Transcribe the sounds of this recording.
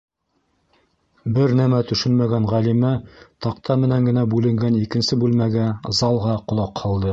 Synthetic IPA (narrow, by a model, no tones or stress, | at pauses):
bɘɾnæmæt̪ɵ̆ʃɵnmæɡænʁælimæt̪ɑqt̪ɑmɘ̆næŋɡɘ̆næbʉlɘ̆ŋɡænikɘ̆nsɘbʉlmæɡæzɑlˠʁɑqŏlˠɑqhɑlˠd̪ɤ